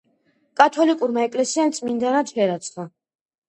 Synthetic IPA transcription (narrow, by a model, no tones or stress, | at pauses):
kʼat̪ʰɔlikʼuɾmaɛkʼlɛsiamt̪sʼmind̪anad̪fɛɾat̪sʰχa